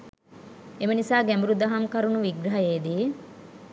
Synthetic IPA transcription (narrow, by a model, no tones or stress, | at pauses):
emənisaːɡæmbuɾud̪aɦamkɐɾunuʋiɡɾɐɦajeːd̪iː